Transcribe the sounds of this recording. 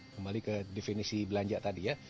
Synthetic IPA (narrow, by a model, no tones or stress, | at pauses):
kəmbalikədɛfinisibəlaɲd͡ʒaʔt̪adija